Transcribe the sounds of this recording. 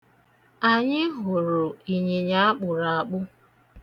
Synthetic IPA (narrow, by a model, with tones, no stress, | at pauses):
a˨ɲɪ˦ɦʊ˨ɾʊ˨i˨ɲe˨ɲa˦a˦k͡pʊ˨ɾa˨a˨k͡pʊ˦